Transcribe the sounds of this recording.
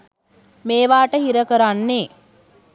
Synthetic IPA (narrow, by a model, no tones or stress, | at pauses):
meːʋaːʈəhiɾəkəɾanːe